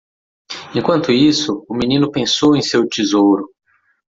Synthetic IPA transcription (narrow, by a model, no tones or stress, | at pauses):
ẽkwɐ̃nt̪ʊisʊʊminĩnʊpẽsowẽj̃sewt͡ʃizowɾʊ